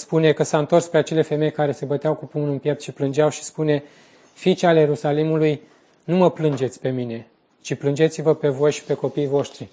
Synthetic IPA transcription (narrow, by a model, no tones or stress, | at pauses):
spune̞kəsaɨnt̪o̞rspɾeat͡ʃe̞le̞fe̞me̞jkaɾe̞se̞bət̪eawkupumunɨmpjept̪ʃiplɨnd͡ʒeawʃi̥spune̞ | fit͡ʃaljeɾusalimuluj | numəplɨnd͡ʒe̞t̪sʲpe̞mine̞ | t͡ʃiplɨnd͡ʒe̞t̪sivəpe̞vo̞jʃi̥pe̞ko̞pijvo̞ʃt̪ɾi